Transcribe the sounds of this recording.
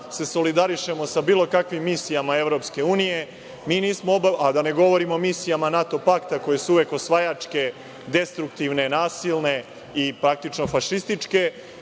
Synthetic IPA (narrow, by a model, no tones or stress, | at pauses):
se̞so̞lid̪aɾiʃe̞mo̞sabiːlˠo̞kakʋimːiːsijamae̞ʋɾo̞pske̞uːnije̞ | miːniːsmoobaad̪ane̞ɡo̞ʋo̞ɾimoːmisijamanat̪o̞pakt̪ako̞je̞suuʋe̞ko̞sʋajat͡ʂke̞ | d̪e̞st̪ɾukt̪iʋne̞naːsilˠne̞ | ipɾak̚t̪it͡ʃno̞faʃist̪it͡ʂke̞